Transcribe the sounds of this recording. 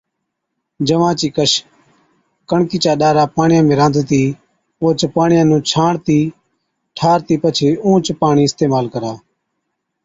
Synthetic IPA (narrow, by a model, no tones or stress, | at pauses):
d͡ʒəʋãːt͡ʃiːkəʃ | kəɳkiːt͡ʃaːɗaːɾaːpaːɳjãːmẽːɾãːnd̪t̪iː | oːt͡ʃpaːɳɪjãːnũːt͡ʃʰaːɳt̪iː | ʈʰaːɾt̪iːpət͡ʃʰeːũːt͡ʃpaːɳiːɪst̪eːmaːlkəɾaː